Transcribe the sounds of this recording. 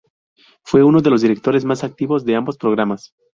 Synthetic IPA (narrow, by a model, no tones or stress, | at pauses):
fwe̞uno̞ðe̞lozðiɾe̞k̚t̪o̞ɾe̞zmasak̚t̪iβo̞zðe̞ambo̞spɾo̞ɣɾamas